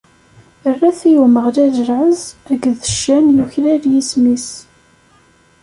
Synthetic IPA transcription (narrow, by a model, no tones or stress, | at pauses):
ərːæθijuməʁlæʒəɾʕəzæɡəðəʃːænjuçɾæðjismis